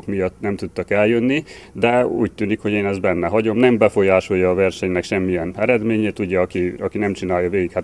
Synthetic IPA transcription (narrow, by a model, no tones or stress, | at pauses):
kmijɒt̪ːnɛmt̪ut̪ːɒkɛljønːi | d̪ɛṵːc̚t̪yːnikho̞ɟeːnɛzd̪bɛnːɛɦɒɟo̞mnɛmbɛfo̞jaːʃo̞jːɒːvɛrʃɛɲnɛkʃɛmːijɛnɛɾɛd̪meːɲeːt̪uɟɛɒkiɒkinɛmt͡ʃinaːjɒveːɡikhat̪